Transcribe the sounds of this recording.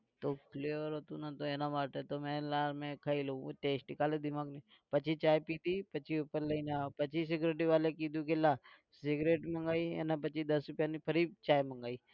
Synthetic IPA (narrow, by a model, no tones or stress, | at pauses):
t̪oːpʰleːʋəɾoːt̪unat̪oeːnabaːʈet̪omɛ̃laːɾmẽkʰaːiloũoʈeːsʈnɪkaːled̪ɪmaːɡni | pɐt͡ʃʰit͡ʃaːjpiːt̪ipət͡ʃʰiupəɾlɐinapət͡ʃʰis̬ɪɡɾeːʈ̬iʋaːlekid̪ukelaː | sɪɡɾeːʈmɐ̃ŋɡaːiḛnap̬ət͡ʃid̪ɐsɾʊpjaːnipʰəɾit͡ʃaːjmɐ̃ŋɡaːiː